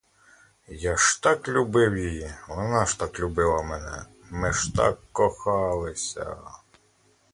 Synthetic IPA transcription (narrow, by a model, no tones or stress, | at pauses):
jɑʃt̪ɑklʲubɪwjijiʋɔnɑʃt̪ɑklʲubɪlˠɐmɛnɛ | mɪʃt̪ɑ̰kːɔxɑlˠɪsʲɐ̰